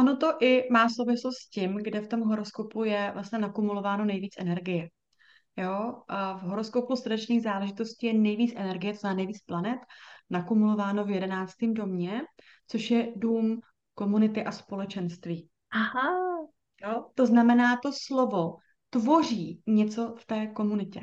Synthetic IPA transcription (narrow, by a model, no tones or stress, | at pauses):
ʔono̞t̪o̞ʔɪmaːsowvɪslost̪scɪmɡdɛft̪o̞mɦo̞ɾo̞sko̞pujɛvlasɲɛnakumulo̞vaːno̞nɛjviːt͡sʔɛnɛɾɡɪjɛ | joʔvɦo̞ɾo̞skopusrdɛt͡ʃniːɣzaːlɛʒɪt̪o̞sciːjɛnɛjviːt͡sʔɛnɛɾɡɪjɛt̪oznɛlaːnɛjviːt͡splanɛt̪nakumulo̞vaːno̞vjɛdɛnaːt͡st̪iːmdo̞mɲɛ | t͡so̞ʃjɛduːm | ko̞munɪt̪ɪʔaspo̞lɛt͡ʃɛnst̪viː | aɦa | jot̪o̞znamɛnaːt̪o̞slovo̞ | t̪vo̞r̝iːɲɛt͡so̞ft̪ɛːko̞munɪcɛ